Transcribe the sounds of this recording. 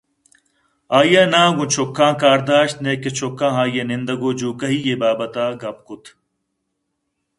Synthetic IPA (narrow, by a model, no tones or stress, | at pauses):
aːjẽnãːɡũt͡ʃʰokʰːãːkaːɾd̪aːʃt̪neːket͡ʃʰokːãːɦaːjenɪ̃nd̪ɐɡoːd͡ʒuːkɐɦiːjeːbaːbɐt̪aːɡɐp̚kʊt̪ʰ